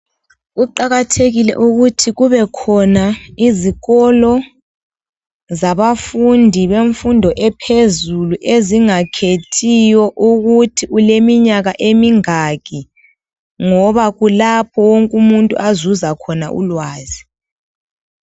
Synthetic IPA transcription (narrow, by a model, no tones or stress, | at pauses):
ɣuǃaɣatʰeɣilɛ̰ʔuɣutʰiɣuβɛkʰɔnaiziɣɔlɔ | zaβafundʱiβeɱfundʱɔʔɛpʰezuluʔeziŋakʰetʰijɔʔuɣutʰiulemiɲaɣaʔemiŋak̬ʼi | ŋɔβaɣulapʰɔwoŋkʼumuntʼṵʔazuzakʰɔnaʔṵlwaːzi